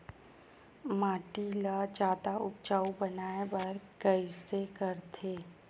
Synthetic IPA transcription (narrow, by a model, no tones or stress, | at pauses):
maːʈilad͡ʒaːd̪aʊp̚t͡ʃaːubənaːebɐɾkəisekəɾt̪ʰeː